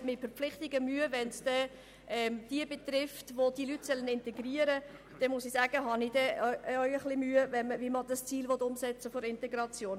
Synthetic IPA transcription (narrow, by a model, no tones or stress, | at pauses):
mɪtfəɾpp͡flɪχtɪɡəmyəvɛnsd̥ɛ | ʔɛmd̥iəbet̪rɪftʋod̥ilytsœlːənɪntɛɡriəɾə | d̥ɛmʊsisæːɡ̥əɦɑnid̥ɛœʏəχlɪmyəvɛnməviməd̥əst͡siːlʋɔt̪ʊmsɛt͡səfɔɾɪntɛɡɾɑt͡sjoːn